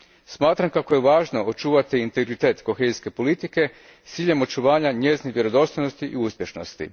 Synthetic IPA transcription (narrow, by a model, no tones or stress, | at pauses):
smaːt̪ɾamkako̞je̞ʋaːʒno̞ot͡ʃuːʋat̪iːnt̪eɡɾit̪e̞ːt̪ko̞xeziske̞po̞lit̪ike̞ | t̪siːʎe̞mo̞t͡ʃuʋaːɲaɲe̞ːzniʋje̞ɾo̞d̪o̞st̪ojnost̪iʔiuspje̞ʃno̞̰st̪ḭ